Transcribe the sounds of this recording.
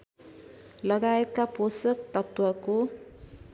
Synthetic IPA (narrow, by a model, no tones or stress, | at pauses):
lʌɡaet̪̚kaposʌkt̪ʌt̪wʌko